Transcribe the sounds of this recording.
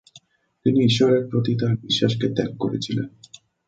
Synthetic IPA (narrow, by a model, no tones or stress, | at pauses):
t̪iniiʃːɔɾeɾ̚pɾot̪it̪aɾbiʃːaʃket̪ɛkkoɾḛt͡ɕʰilḛn